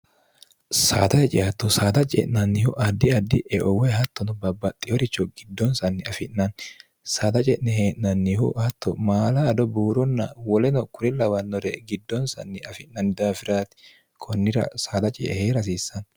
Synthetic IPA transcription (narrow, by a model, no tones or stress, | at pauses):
sa̰ːt̪ɐhɛt͡ʃʼɪɐt̪ːɔsaːt̪ɐt͡ʃʼɛ̰ʔnɐnːɪhʊʔɐd̪ːɪɐd̪ːɪʔɛʔɔwɛɦɐt̪ːɔnɔbɐbɐt̪ʼːɪjɔɾɪt͡ʃːɔɡɪd̪ːɔnsɐnːɪɐfɪʔnɐn | saːt̪ɐt͡ʃʼɛʔnɛheːʔnɐnːɪhʊ̰hɐt̪ʰːɔmaːlɐːd̪ɔbuːɾɔnːɐwɔlɛnɔkʊɾɪlɐwɐnːɔɾɛɡɪd̪ːɔnsɐ̰nːɪɐfɪʔnɐnːɪd̪aːfɪɾaːt̪ɪ̥ | kʰɔnːɪɾɐ̰saːt̪ɐt͡ʃʼɛʔɛ̰heːɾɐs̬iːsːɐn